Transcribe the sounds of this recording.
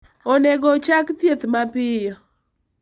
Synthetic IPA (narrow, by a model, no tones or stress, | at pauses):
onɛɡɔt͡ʃakt̪jet̪mapɪjɔ